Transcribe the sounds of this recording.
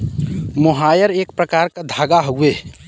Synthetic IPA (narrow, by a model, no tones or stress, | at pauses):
moɦajəɾek̚pɾəkaɾkad̪ʱaɡaɦoue